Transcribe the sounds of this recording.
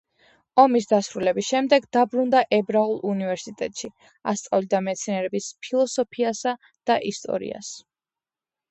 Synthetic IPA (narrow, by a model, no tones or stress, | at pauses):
ɔmisd̪asɾulɛbisʃɛmd̪ɛɡd̪abɾund̪aʔɛbɾaulˠunivɛɾsit̪ʼɛt̪ʼʃi | a̰st̪sʼavlid̪amɛt̪sʰinɛɾɛbispʰilˠɔsɔpʰiasa | d̪̥aʔist̪ʼɔ̰ɾḭa̰s